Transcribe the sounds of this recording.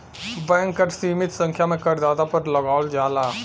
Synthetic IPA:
bɛ̃ːŋkːəʈsiːmɪt̪sə̃ŋkʰjamẽkəɾd̪aːd̪apɐɾləɡaːld͡ʒaːlaː

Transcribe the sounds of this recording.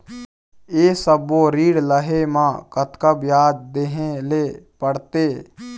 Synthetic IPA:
eːsəboɾiːɽləɦemãkət̪kəbjaːd͡ʒd̪eɦẽleːpəɽt̪eː

